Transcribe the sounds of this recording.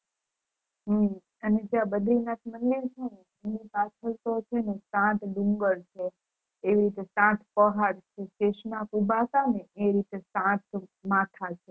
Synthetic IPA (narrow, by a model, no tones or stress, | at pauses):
ɦ | əned͡ʒeãbəd̪ʱlɾinat̪ʰmənliɾt͡ʃʰene | enipat͡ʃʰəlt̪ot͡ʃʰenesãt̪ɖũŋɡəɭt͡ʃʰeː | ʋiɾit̪esãt̪ʰpəɦaɽt͡ʃʰeʃeʃnakubʱasaneʔeɾit̪esãt̪mat̪ʰat͡ʃʰe